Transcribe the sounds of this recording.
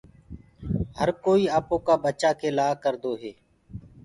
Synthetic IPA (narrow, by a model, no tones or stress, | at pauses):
ɦəɾkoːiːaːpõːkaːbət͡ʃaːkeːlaːkəɾd̪oːɦeː